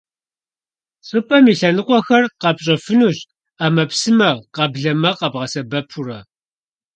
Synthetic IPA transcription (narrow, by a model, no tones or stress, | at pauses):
ɕʼɨpʼɐmiɬɐnɨqʷʼɔxɐrqɑpɕʼɐfɨnuɕ | aːmɐpsɨmɐqɐbɮɐmɐqɐbʁɐsɐbɐpʰurɐ